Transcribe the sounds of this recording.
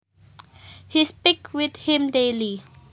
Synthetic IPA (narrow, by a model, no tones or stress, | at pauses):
hispɪkwɪθhĩmdeli